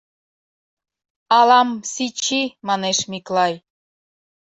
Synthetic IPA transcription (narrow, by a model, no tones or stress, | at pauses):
ɑlɑmsit͡ɕimɑneʃmiklˠɑj